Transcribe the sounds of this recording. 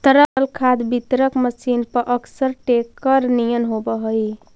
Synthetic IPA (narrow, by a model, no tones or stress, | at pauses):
t̪əɾəlkʰad̪bit̪ɾəkməsinpəɾʔəksəɾʈekəɾnijənɦobəɦəj